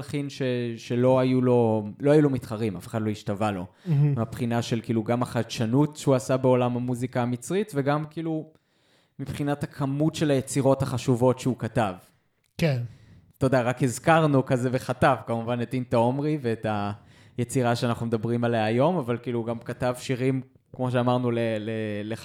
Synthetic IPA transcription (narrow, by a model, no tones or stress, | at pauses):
lχinʃeʃe̞lo̞ajulo̞loajulomitχaʁima̰feχadlo̞iʃtavalo̞ | meapχinaʃe̞lkiːluɡamaχadʃanutʃeuasabe̞o̞lamamuzikaːmit͡sʁitve̞ɡamkiːlu | mipχinatakʰamutʃe̞lajet͡siʁo̞thaχaʃuvo̞tʃeukatav | ke | to̞daʁakhezkaʁnukazeve̞χatavkamuvanetintao̞mʁiveːta | jet͡siʁaʃeanaχnumed̪abʁimalejaajo̞mavalkiːluɡamkatavʃiʁim | kmo̞ʃ̬eamaʁnulelele